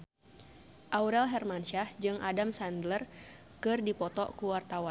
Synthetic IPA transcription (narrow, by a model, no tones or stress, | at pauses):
ʔauɾɛlɦɛrmanʃahd͡ʒɨŋʔadamsandlər | kɨrdipɔt̪ɔ̰ʔkuwart̪awan